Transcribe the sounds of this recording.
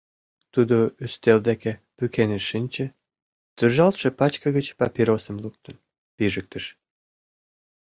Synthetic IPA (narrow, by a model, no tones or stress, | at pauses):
t̪ud̪oyst̪eld̪ekepykeneʃinʲt͡ɕə̆ | t̪əʒɑlt̪ʃĕpɑt͡ɕkəɣət͡ɕpɑpʲiɾosəmluk̚t̪ən | piʒək̚t̪əʃ